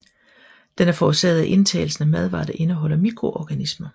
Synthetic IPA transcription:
d̥enæɐfɒuse̝̰ːɐð̞̩ˠæʔe̝nt͡sʰɛ̰ːɪl̩sn̩æmæð̞ˠʋɑ̰̈ːd̥æʔe̝nəɦɒ̽l̰ɐmiɡ̥ʰʁo̝ʔɒɡ̥ænismɐ

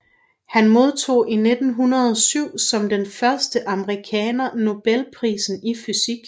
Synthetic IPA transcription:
hænmo̝ð̞ˠt͡sʰo̝̰ːʔine̝d̥n̩ɦunɐð̞ˠɒ̽syʊ̰sɒ̽md̥enfɶɐsd̥əʔɑ̈məʁikʰɛːnɐno̝b̥elpʰʁḭːsn̩ifysiɡ̥

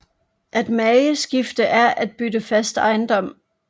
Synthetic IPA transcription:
ʔæd̥mɛɪəsɡ̥ifd̥əʔæɐʔæd̥̚b̥yd̥əfæsd̥ɑ̈ɪnd̥ɒ̽m̰

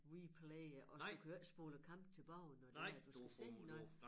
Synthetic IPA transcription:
wipʰleʔɒ̥̽ukʰæsb̥ɔːləkʰɑ̈m̰b̥t͡sʰe̝lb̥ɑ̈ʊ̰nɒd̥eæɐd̥usɡ̥æsḛnɒ

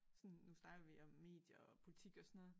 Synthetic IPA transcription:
sɔ̽nnusnɑ̈ɡ̥ɐʋiɒ̽mːe̝̰ːd̥jɐɒpʰo̝lit͡sʰiɡ̥ɒsɔnɔ̽ð̩ˠ

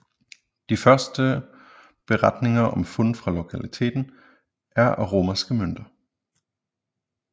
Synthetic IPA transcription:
d̥ifɶɐsd̥ə | b̥e̝ʁad̥ne̝ŋɐʔɒ̽mfɔn̰fʁɑ̈lo̝kʰælit͡sʰe̝̰ːd̥n̩ | ʔæɐʔæʁo̝ːmɐsɡ̥əmøn̰d̥ɐ

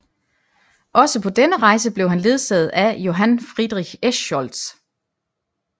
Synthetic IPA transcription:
ʔɒ̽səpʰɒ̽d̥enəʁɑ̈ɪs̬əb̥le̝ʊɦænle̝ð̞ˠsɛ̰ð̞̩ˠæjo̝ɦænfʁid̥ˠʁiɡ̥esɒld̥s

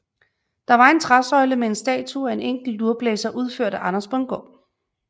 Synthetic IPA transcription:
d̥ɑ̈ʋɑ̈e̝nt͡sʰʁasɒ̽ɪləmee̝nsd̥ɛ̰ːt͡sʰuæe̝neŋ̰ɡ̥l̩luɐb̥lɛːsɐʔuð̞ˠføɐ̰ɾ̥əʔɑ̈nɐspb̥ʰɒ̽nɡ̥ɒ̰ː

